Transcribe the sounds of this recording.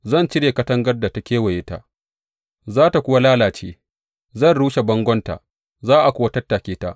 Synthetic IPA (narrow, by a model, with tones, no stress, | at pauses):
zɐ˦˨nt͡ʃɪ˦ɽeː˨kɐ˦tɐ˦ŋɡɐ˦rda˨ta˦kʲeː˦wɐ˨jeː˦ta̰˨ʔ | zaː˦ta˨kʷʊ˦wa˦laː˦laː˨t͡ʃeː˦ | zɐ˦˨nɽuː˦ʃe˨bɐ˦ŋɡʷɔ˦nta̰˨ʔ | zaː˦ʔa˨kʷʊ˦wa˦tɐ˦tːaː˨kʲeː˦ta̰˦ʔ